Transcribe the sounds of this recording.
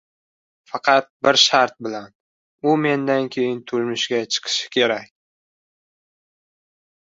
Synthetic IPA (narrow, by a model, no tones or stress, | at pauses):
fɑqʰɑt̪̚bɪɾʃaɾt̪̚bɪlan | ʊme̞nd̪ankʲʰe̞jɪnt̪ʰʊlmɪʃɡʲat͡ʃʰɨ̥qʰɨ̥ʃɪ̥kʲʰe̞ɾakʲ